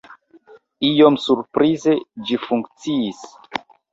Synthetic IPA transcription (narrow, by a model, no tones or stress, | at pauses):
ijomsuɾpɾʔize̞d͡ʒifuŋkt͡siːs